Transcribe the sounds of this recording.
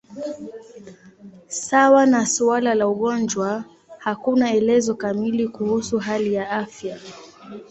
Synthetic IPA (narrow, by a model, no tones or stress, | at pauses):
sawanasualalauɠɔnd͡ʒwa | hakunaɛlɛzɔkamilikuhusuɦalijaafja